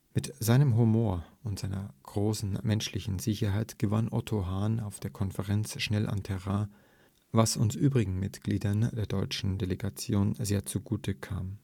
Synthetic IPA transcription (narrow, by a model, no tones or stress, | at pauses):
mɪtz̥aɪnəmɦumoːɐʊntz̥aɪnɐɡ̥ʁoːsn̩mɛnʃlɪçn̩zɪçɐɦaɪtɡ̥əvanʔɔtʰoɦaːnaʊfd̥eːɐkʰɔnfəʁɛnt͡sʃnɛlʔa̰ntʰɛʁa | vasʊnsʔyːbʁɪɡŋ̩mɪtɡ̥liːdɐndeːɐdɔʏt͡ʃn̩deleɡat͡sjoːnzeːɐt͡suɡuːtʰəkʰa̰ːm